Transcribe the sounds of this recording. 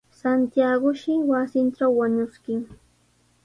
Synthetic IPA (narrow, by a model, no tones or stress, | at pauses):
sant̪jaɢʊʃɪwasɪnʈ͡ʂawːaɲʊskɪŋ